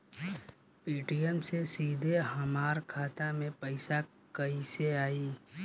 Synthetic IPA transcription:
piːʈijəmsesiːd̪ʱeɦɐmaːɾkʰaːt̪amẽpəɪsa | kɐiseaːiː

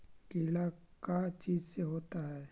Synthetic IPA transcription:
kilakat͡ʃiːd͡ʒseɦoːt̪aɦɛː

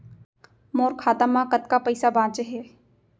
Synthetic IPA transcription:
moːɾkʰaːt̪amãkət̪kapəɪsabãːt͡ʃeɦɛː

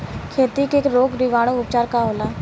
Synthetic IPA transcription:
kʰeːt̪ikeːkɾoːɡɾiʋaːɽ̃oʊpt͡ʃaːɾkaɦoːlaː

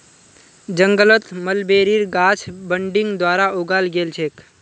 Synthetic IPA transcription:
d͡ʒə̃ŋɡələt̪məlbeːɾiɾɡaːt͡ʃʰbəɳɖɪ̃ŋɡd̪waːɾaoɡalɡeːlt͡ʃʰeːk

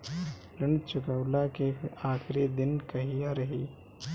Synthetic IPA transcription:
lɪɳt͡ʃʊkəwlakeaːxɾid̪ɪnkɐɦijaɾɐɦiː

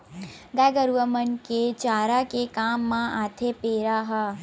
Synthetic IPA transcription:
ɡajɡəɾuʋəmənket͡ʃaːɾakekaːmːãaːt̪ʰepeːɾaːɦɐ

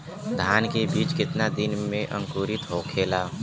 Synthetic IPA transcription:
d̪ʱaːnkebiːt͡ʃkɪt̪nad̪ɪnmẽʔə̰̃ŋkuːɾɪt̪ɦoːkʰeːlaː

